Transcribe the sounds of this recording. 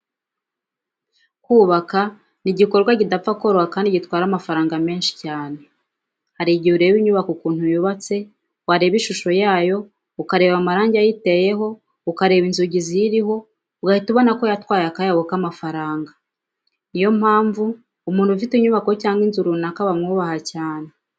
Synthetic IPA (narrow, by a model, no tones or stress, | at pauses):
kuːβaka | niɟiko̞ɾɡwaɟidap͡fakoɾohakaːndiɟitwaːɾamafaɾaːŋɡame̞ːnʃi̥caːne̞ | haɾiɟiuɾe̞ːβiɲuβakokuːnthujuβat͡se̞ | waɾe̞ːβiʃuʃo̞jaːjo̞ | ukaɾe̞ːβamaɾaːɲɟiajite̞je̞ɦo̞ | ukaɾe̞βinzuɟizijiɾiɦo̞ | uɡahituβo̞nako̞jatwaːjakajaβukamafaɾaːŋɡa | nijo̞mhaːɱvuː | muːntufitiɲuβakocaːŋɡinzuɾunakaβamŋuːβahacaːne̞